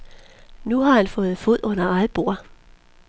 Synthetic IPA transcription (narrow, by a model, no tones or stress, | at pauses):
nuɦɑ̈hænfɔ̽ːð̞̩ˠfo̝ð̰ˠɔ̽nɐɑ̈ɪb̥o̝ɐ̰